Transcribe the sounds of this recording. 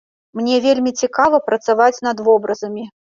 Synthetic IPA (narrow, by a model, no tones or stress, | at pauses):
mnʲɛvʲelʲmʲit͡sʲikavɐpɾɐt̪savat͡sʲn̪ɐd̪vɔbɾɐzɐmʲi